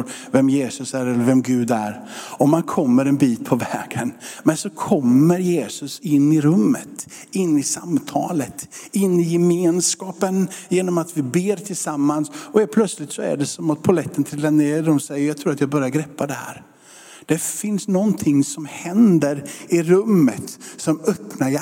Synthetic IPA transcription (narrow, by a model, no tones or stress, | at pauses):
ɾ | vɛmjeːsɵsæɾɛlːəɾvɛmɡʉ̟ːd̪æ̰ɾ | ɔmːankʰɔmːəɾɛnbiːt̪̚pʰɔvɛːɡ̥ənmɛnsɔkʰɔmːəɾjeːsɵsɪnːɪɾɵmːə̰t̪ | ɪnːɪsamt̪ʰɑ̰ːlət̪ɪnːɪjɛmeːnskɑːpənjeːnɔmat̪vɪbeːɾt̪ʰɪlsamːansɔhel̚pʰlœt̪slɪt̪sɔæ̰ɖɛsɔmat̪̚pʰʊalɛt̪ʰːənt̪ʰɾɪlːaneːɖɔmsɛjːəɾjɑːt̪ʰɾuːɾat̪jɑːɡbœɾjaɡɾɛpːad̪ɛhæ̰ːɾ | d̪̥ɛfɪnsnɔnt̪ʰɪŋːsɔmhɛnd̪əɾɪɾɵmːət̪sɔmœpnaj